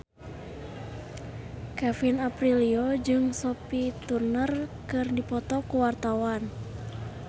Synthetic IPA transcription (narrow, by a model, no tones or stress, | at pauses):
kafinapriliod͡ʒɨŋsopit̪urnərkɨrdipɔt̪ɔkuwart̪awan